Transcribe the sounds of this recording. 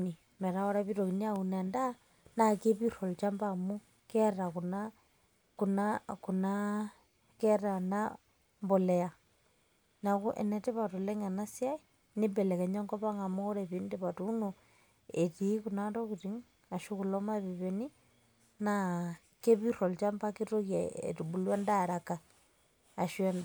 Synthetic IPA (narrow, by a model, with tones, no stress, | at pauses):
ni˨ | me˨ɾa˦o˦ɾa˦βiɾoki˨ni˦a˦une˨nda˦ | na˨ke˦βiɾo˨lt͡ʃa˦mbamu˦ | ke˦ɾa˨kuna | kunakuna | ke˦ɾa˨na | mbole˨ja | na˨ku˦ʔḛ˨nete˦βatu˨le˦ŋa˨na˦sja˦i | nibele˨ke˨ɲa˦ŋko˦βaŋɡa˨muɣoɾaβindeβatuno | etikunatokuɾiŋ | a˨ʃu˦ku˨loma˦βiβeni˦ | na | ke˦βiɾo˨lt͡ʃa˦mpakito˦ɣjaḛtuβu˨lwe˦ndaɾakaː˨ | ʃwe˦nd